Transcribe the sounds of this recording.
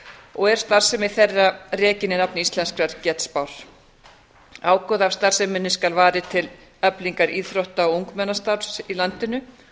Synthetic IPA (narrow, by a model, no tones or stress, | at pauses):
ɔɣɛɾ̥st̪aɾ̥sɛmɪθɛrːarɛːcɪnɪnapnɪist̪lɛnskɾaɾcɛt̪spawɾ̥ | aːwkɔðav̥st̪ar̥sɛmɪnːɪskalvaːɾɪt̪ʰɪl | œpliŋkaɾʔiːðfɾowht̪aɔuŋkmɛnast̪aɾsilant̪ɪnʏ